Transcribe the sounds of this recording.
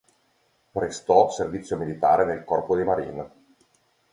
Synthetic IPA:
pɾest̪ɔservit̪sːjomilit̪aːɾenelkɔrpod̪imaɾḭn

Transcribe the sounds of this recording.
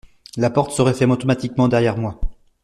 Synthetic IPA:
lapɔʁt̪səʁɛfɛmɔt̪ɔmat̪ikmɑ̃d̪ɛʁjɛʁmwa

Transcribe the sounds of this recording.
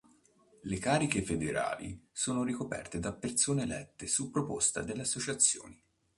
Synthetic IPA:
lekaːɾikefed̪eɾa̰ːlḭsoːnoɾikopɛ̰rt̪ed̪apːert̪soːnelɛt̪ːesupːɾopost̪a̰d̪elːeasːot͡ʃat̪sːjo̰ːni

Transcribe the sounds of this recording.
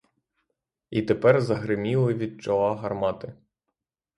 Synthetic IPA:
it̪epɛrzɐɦɾɪmʲilˠɪʋʲid̪̚t͡ʃɔlˠɑɦɐrmɑt̪ɪ

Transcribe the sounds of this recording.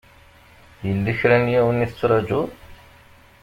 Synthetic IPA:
jəlːiçɾænjæwəniθət͡sːɾˤɑd͡ʒuð

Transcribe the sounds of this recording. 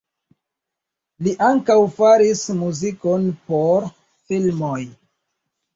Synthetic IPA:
liʔaŋkawfaɾismuziko̞npoɾ | filmoj

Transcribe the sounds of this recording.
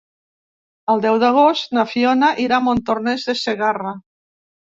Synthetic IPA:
əlˠd̪ɛwðaɣ̞ost̪nafionaʔiɾamont̪oɾnɛzðeseɣara

